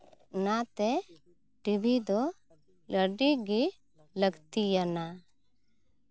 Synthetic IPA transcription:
nat̪e | ʈibid̪ɔ | ləɖiɡi | ləɡt̪ijəna

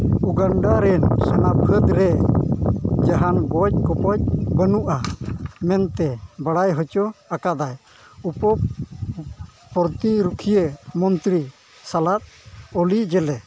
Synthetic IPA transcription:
uɡaɳɖaɾɛnsənapʰəd̪ɾɛ | d͡ʒaɦanɡɔc̚kɔpɔc̚bənuʔamɛnt̪ɛbaɽajɦɔt͡ʃɔakad̪aj | upɔ | pɔɾt̪iɾukʰijəmɔnt̪ɾi | salat̪̚ɔlid͡ʒɛlɛ

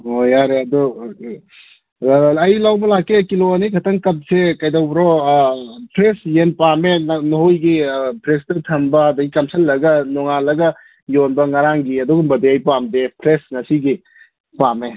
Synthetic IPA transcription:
hojaɾeɐdɔ | ɐjlawbɐlakːekiloɐnikʰɐtɐŋkɐp̚sekɐjdawbɾɔ | pʰɾesjenpamenohojɡipʰɾestɐtʰɐmbɐːdɐɡikɐmsʰɐlːɐɡɐnɔŋalɐɡɐ | jonbɐŋɐɾaŋɡiɐdɔɡumbɐdeɐjpamdepʰɾesnɐsiɡi | pame

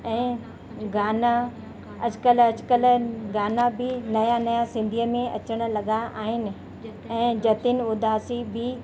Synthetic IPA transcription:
ɛ̃ː | ɡaːna | ɐd͡ʑkəlɐd͡ʑkəlɡaːnabɪnɐjanɐjasɪ̃nd̪ʱiəmẽʔɐ̰t͡ɕəɽ̃̆lɐɠaʔaːɦɪnɪ̆ | ɛ̃ːd͡ʑɐt̪ɪnʊd̪ʱaːsibɪ

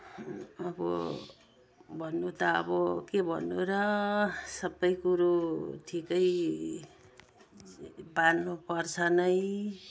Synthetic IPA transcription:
ʌbʌ̰ | bʱʌnːut̪ʌʌ̰bʌkebʱʌ̰nːuɾʌ | sʌbːʌjkuɾotʰikʌj | banːupʌrt͡sʰʌnʌj

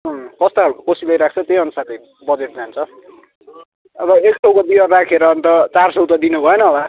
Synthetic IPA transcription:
ɦʌkʌst̪oɦaɾukokosilajɾak̚ʰt͡sʰʌt̪ejʌnusat̪ʌj | bʌd͡zeʈ̚d͡zant͡sʰʌ | ʌbʌekʈʌwkʌd̪iʌrakʰeɾʌːnt̪ʌt͡sarsʌwt̪ʌd̪inubʱʌenʌːba

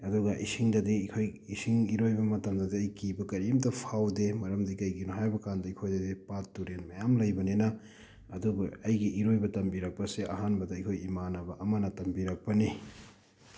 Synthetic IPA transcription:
ɐduɡɐʔisiŋdɐdiikʰojisiŋiɾojbɐmɐtɐmdɐdiɐjkibɐkɐɾimdɐpʰawdemɐɾɐmdikɐjɡinuɦajbɐkandɐikʰojdɐdipatːuɾenmɐjamlɐjbɐnenɐ | ɐduɡɐɐjɡiʔiɾojbɐtɐmbiɾɐk̚pɐseʔɐɦanbɐdɐɐjkʰojimanɐbɐʔɐmɐnɐtɐmbiɾɐk̚pɐni

